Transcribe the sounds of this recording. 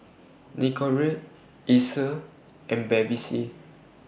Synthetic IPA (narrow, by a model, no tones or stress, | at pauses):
nikʰɔɹet | isə | ɛ̃nbɛbisi